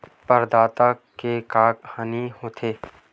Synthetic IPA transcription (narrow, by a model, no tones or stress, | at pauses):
pəɾd̪aːt̪akekaːkhaːnihoːt̪ʰeː